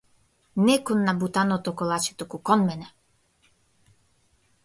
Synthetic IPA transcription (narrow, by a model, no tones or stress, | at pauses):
nɛkɔnːabut̪anɔt̪ɔkɔlˠat͡ʃi̥t̪ukukɔnmɛnɛ